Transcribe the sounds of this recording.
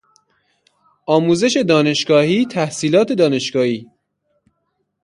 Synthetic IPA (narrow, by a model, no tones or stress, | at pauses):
ʔɒːmuːze̞ʃe̞d̪ɒːne̞ʃɡɒːhiːt̪ʰæhsiːlɒːt̪ʰed̪ɒːne̞ʃɡ̥ɒːhiː